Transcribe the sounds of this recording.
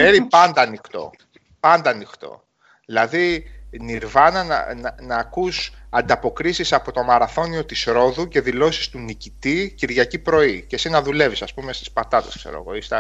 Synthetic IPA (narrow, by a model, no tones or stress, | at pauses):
eɾipɐnd̪ɐːnixt̪o̞̰ | pɐnd̪ɐːnixt̪o̞̰ | ðilɐðiniɾvɐnɐnɐ̰nɐnɐːkusɐnd̪ɐpo̞kɾisisɐpo̞t̪o̞mɐɾɐθo̞nio̞t̪isɾo̞ðuce̞ðilo̞si̥st̪unicit̪iciɾðʝɐcipɾo̞ice̞sinɐðule̞visɐspume̞st̪i̥spɐt̪ɐt̪eskse̞̰ɾo̰ɣo̞̰ist̪ɐ